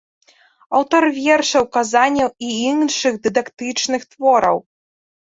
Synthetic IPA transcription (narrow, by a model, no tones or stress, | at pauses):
awt̪ɔrvʲɛrʂɐwkazanʲɐwiinʂɨɣd̪ɨd̪akt̪ɨt͡ʂnɨxt̪vɔɾɐ̰w